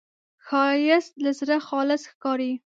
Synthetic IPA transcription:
xɑjɪslazɾaxɑlɪsxkɑɾi

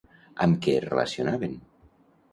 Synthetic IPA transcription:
əmkɛrḛlə̰sionaβen

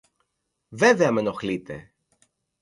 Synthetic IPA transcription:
veveɐme̞noxlit̪e̞̰

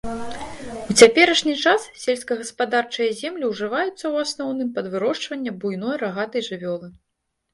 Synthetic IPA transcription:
ut͡sʲapʲɛɾɐʂnʲit͡ʂassʲɛlʲsʲkɐɣɐspad̪art͡ʂɨjɐzʲɛmlʲiwʐɨvajut̪sːɐwasnɔwnɨmpɐd̪vɨɾɔʂt͡ʂvɐnʲːɐbujnɔjraɣat̪ɐjʐɨvʲɔlˠɨ

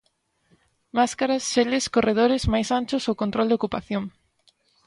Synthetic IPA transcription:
maskaɾasʃelɪskoreð̞oɾɪzmajsant͡ʃʊsowkont̪ɾold̪eokupaθjoŋ

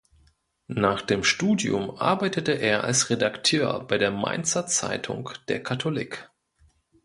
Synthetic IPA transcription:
naːχd̥eːmʃtuːdjʊ̰mʔa̰ɐbaɪtətəʔeːɐʔa̰lsʁedaktʰøːɐbaɪdeːɐma̰ɪnt͡sɐt͡sa̰ɪtʰʊ̰ŋkd̥eːɐkʰatʰolɪk

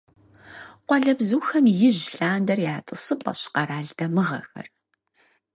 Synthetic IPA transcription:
qʷɔɮɐbzuːxɐmjɪʑɬaːndɐrjaːtʼɨsɨpʼɐ̰ɕqɐɾaːɮdɐmɨʁɐxɐ̰r

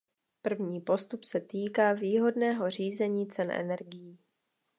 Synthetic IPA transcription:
pr̩vɲiːpo̞st̪upsɛt̪iːkaːviːɦo̞dnɛːɦo̞r̝iːzɛɲiːt͡sɛnʔɛ̰nɛ̰ɾɡɪjiː

